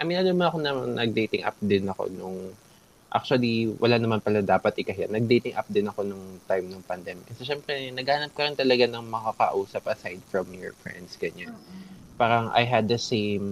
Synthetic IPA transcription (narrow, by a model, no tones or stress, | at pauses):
ʔɐmɪnalumaʔɐkonɐnɐɡ̚d̪ejt̪ɪŋʔa̰p̚d̪ɪnɐko̰nʊŋ | ʔa̰k̚t͡ʃʊɐliwʔɐlanɐmanpɐlad̪aːpɐt̪ʔɪkɐɦja̰nɐɡ̚d̪ejt̪ɪŋʔa̰p̚d̪ɪnɐko̞nʊŋt̪ajmnʊŋpɐnd̪ɛmɪakːɐsɛʃɛmpɾɛnɐɡaːhnɐp̚kɐɾɪnt̪ɐlɐɡanɐŋmɐkakɐʔuːsɐpʔɐsajd̪̚fɹɐmjɔ̰ɹfɹɛ̰nd̪sɡ̥ɐɲanpaːɾɐŋʔa̰jɦɐd̪ːɐsejm